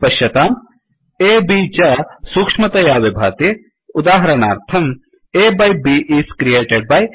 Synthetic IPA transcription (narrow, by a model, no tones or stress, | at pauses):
pɐʃjɐt̪aːm | eːbiːt͡ʃɐsukʂmɐt̪ɐjaːʋebʱaːt̪e | ʊd̪aːɦɐɾɐnaːɾt̪ʰɐm | eːbɐjbiʔiːskɾieːʈeɖ̚baːj